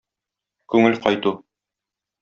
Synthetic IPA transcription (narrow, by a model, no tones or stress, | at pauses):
kʉŋɘlqɒjt̪u